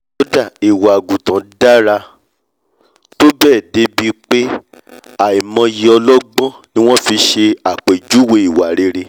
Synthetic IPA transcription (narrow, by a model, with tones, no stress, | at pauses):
o˦da˦˨i˨wa˨ɡu˨tã˨da˦ɾa˧ | to˦bɛː˦˨de˨˦bi˧˦k͡pe˦ | a˨i˨mɔ̃˧ji˧ɔ˧lɔ˦ɡ͡bɔ̃˦nĩ˦w̃ɔ̃˦fi˧ʃe˧a˨k͡pe˨d͡ʒu˨˦we˧i˨wa˨ɾe˨˧ɾe˧